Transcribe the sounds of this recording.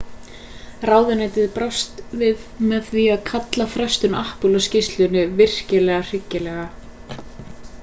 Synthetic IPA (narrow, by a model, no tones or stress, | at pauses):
raːwðɪnajt̪ɪðpɾast̪vɪðmɛθviaðkʰat̪lafɾœst̪ʏnahpʏlascɪst̪lʏnʏvɪr̥cɪlɛɣar̥ɪcːɪlɛɣa